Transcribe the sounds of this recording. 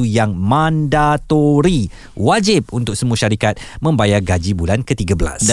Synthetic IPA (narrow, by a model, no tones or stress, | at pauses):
ujaŋmãndat̪oɾi | wad͡ʒɪp̚unt̪ʊk̚səmũaʃaɾikat̪̚mə̃mbajaɡad͡ʒibulankət̪iɡabəla̰s